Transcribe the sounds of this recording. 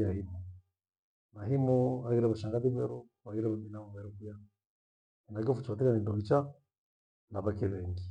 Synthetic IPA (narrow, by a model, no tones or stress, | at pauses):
ahimo | naɦimɔaɣiɾɛβaʃaːŋɡaβiβɛɾo | βaɡiɾɛβabinamumɛɾɔkuja | inaɡɔfut͡ʃatiɾanindɔβit͡ʃa | naβakeβɛŋɡi